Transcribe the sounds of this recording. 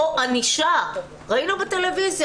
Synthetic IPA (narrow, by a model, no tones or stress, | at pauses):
aniʃa | ʁainubete̞le̞vizj